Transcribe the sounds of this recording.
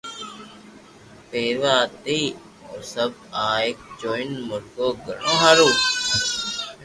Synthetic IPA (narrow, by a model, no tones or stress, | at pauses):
peːɾʋaːt̪iː | osəbaːek̚d͡ʒoːɪnmʊɾɡoːɡə̰nõːɦaːɾuː